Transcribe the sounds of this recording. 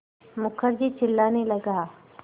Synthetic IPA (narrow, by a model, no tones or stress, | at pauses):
mʊkʰəɾd͡ʒit͡ʃʰɪlːaːnelɐɡaː